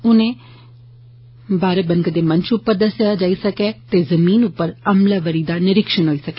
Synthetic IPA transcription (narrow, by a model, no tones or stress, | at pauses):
ʊnẽː | baːɾeːbənɡd̪eːmə̃ɲt͡ʃʊpːəɾd̪əsjaːd͡ʒaːiːsəkɛːt̪eːzəmiːnʊpːəɾəmlaːʋəɾiːd̪aːnɪɾɪkʃənɦoːiːsəkɛː